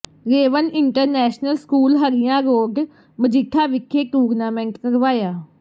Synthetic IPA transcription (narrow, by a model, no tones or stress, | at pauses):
ɾeːʋənɪɳʈəɾnɛːʃnəlskuːlɦəɾɪjãːɾoːɡ | məd͡ʒɪkʰːaːʋɪkʰːeːʈuːɾnaːmɛ̃ːɳʈkəɾʋaːjaː